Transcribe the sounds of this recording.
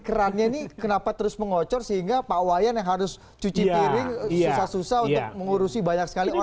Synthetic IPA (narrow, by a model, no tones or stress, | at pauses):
kəɾanɲainikənapat̪əɾʊsməŋɔt͡ʃɔrsəɦiŋɡapawajanjaŋɦaɾʊs | t͡ʃut͡ʃip̪iɾɪŋsusahsusahunt̪ʊk̚məŋuɾusibaɲak̚sə̥kalio